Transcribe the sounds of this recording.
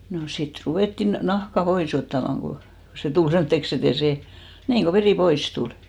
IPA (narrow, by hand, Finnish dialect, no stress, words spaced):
no sit ruʋeˑtːin nɑhkɑ pois otːɑmɑŋ ɡ̊o se tul semtːeks et ei se niːŋ ɡ̊o ʋeriˑ pois tul